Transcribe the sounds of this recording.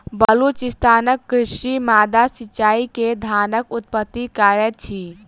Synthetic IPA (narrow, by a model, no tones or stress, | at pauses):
bəlut͡ʃist̪ʰaːnəkːɾɪʃimaːd̪asit͡ʃaːiked̪ʱaːnəkut̪̚pət̪ːikaɾət̪̚t͡ʃʰi